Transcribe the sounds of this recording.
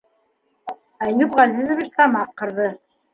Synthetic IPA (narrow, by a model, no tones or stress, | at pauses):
æjupʁɑzizŏvʲiʃt̪ɑmɑqːɤ̆ɾðɤ